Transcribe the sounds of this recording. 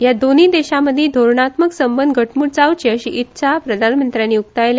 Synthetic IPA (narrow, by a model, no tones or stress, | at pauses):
jad̪onid̪eɕaməd̪ʱːjed̪ʱoɾɳat̪məksəmbənd̪ɡʱəʈʰmuːɽt͡sawt͡ɕiəɕiʔit̪ːɕʰapɾəd̪ʱanmənt̪ɾjãnːiːuk̚t̪ajle